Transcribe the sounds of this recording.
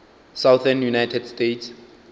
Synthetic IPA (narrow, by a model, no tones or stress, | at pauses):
sawθɛnjunajtʰɛdstets